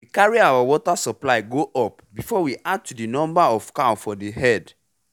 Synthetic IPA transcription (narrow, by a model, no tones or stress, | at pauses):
wikaɹiawawɔtasɔplaɪɡoʔɔp̚bifɔwiʔad̚tudinɔ̃mbaɔfkaʊfɔdeɦɛd